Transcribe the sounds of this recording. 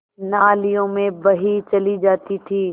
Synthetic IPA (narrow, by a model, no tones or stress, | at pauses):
naːlijõːmẽbɐɦit͡ʃɐlid͡ʒaːt̪it̪ʰiː